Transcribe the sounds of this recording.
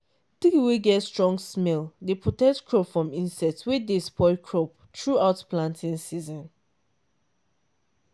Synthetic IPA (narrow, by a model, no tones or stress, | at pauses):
tikiweɡɛtstɹɔ̃ŋɡsmɛldepʰɹotɛk̚tkɹɔpfɹɔ̃mĩnsɛtswedespɔɪkʰɹɔp̚ | tɹuaʊtplãntʰĩnsizɔ̃n